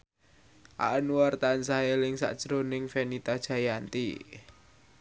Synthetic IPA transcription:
ʔa̰ʔənwart̪ansaɦelɪŋsa̰ʔd̥ʒ̥ɾonɪŋfenit̪ad̥ʒ̥a̤jant̪ḭ

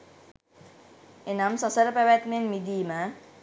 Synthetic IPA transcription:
enamsʌsʌɾpaʋat̪menmid̪ima

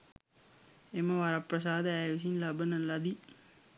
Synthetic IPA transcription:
emɐʋaɾɐpːɾɐs̬aːd̪ɐaːʋs̬inlɐbɐnɐlɐd̪i

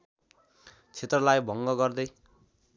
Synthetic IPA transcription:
t͡sʰet̪rʌlajbʱʌŋɡʌɡʌrd̪ʌj

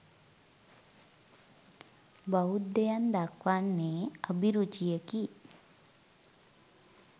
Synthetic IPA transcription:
baud̪ːejand̪akʋanːeːabiɾut͡ʃijeki

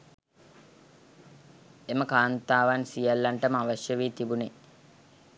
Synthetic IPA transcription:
eməkaːnt̪aːʋansijalːaɳʈəməaʋəʃjəʋiːt̪ibune

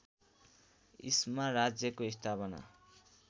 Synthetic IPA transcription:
ismarad͡zjʌkoist̪ʰapʌna̰

